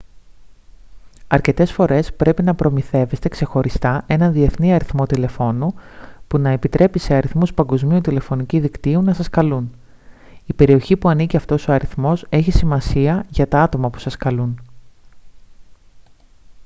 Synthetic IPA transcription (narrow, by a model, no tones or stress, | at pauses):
ɐɾce̞t̪e̞sfo̞ɾe̞spɾe̞pinɐpɾo̞miθe̞ve̞st̪e̞kse̞xo̞ɾist̪ɐe̞nɐnðie̞θniɐɾiθmo̞t̪ile̞fo̞nupunɐe̞pit̪ɾe̞pise̞ɐɾiθmuspɐŋɡo̞zmiut̪ile̞fo̞niciðikt̪iunɐsɐskɐlun | ipe̞ɾio̞çipuɐniciɐft̪o̞so̞ɐɾiθmo̞se̞çisimɐsiɐʝɐt̪ɐɐt̪o̞mɐpu̥sɐskɐlun